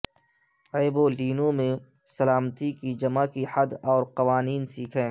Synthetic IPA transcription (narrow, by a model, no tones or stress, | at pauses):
eːboliːnõmẽsɐlaːmt̪ikid͡ʒɐmakihɐd̪ɔːɾqɐʋaːniːnsiːkʰẽː